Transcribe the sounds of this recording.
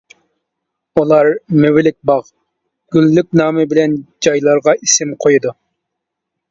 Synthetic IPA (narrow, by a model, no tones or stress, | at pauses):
ulˠɑɾmywɪlɪk̚ʲbɑʁ | ɡ̥ʲylːyk̚ʲnɑːmɨbɪlɛnd͡ʒɑjlˠɑɾʁɑʔisɪmqʰojud̪u